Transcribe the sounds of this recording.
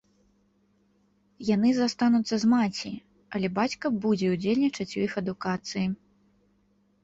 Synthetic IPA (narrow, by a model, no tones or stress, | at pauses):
jan̪ɨzast̪anut̪sːɐzmat͡sʲi | ɐlʲɛbat͡sʲkɐbud͡zʲɛud͡zʲelʲnʲit͡ʂɐt͡sʲujixɐd̪ukat̪sɨji